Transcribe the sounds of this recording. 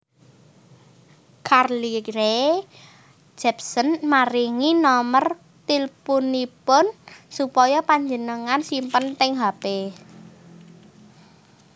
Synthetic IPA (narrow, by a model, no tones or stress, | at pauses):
karliɾe | d͡ʒɛp̚sənmaɾiŋinɔmər | t̪ilpunipʊnsupɔjɔpaɲd͡ʒənəŋansimpənt̪ɪŋɦape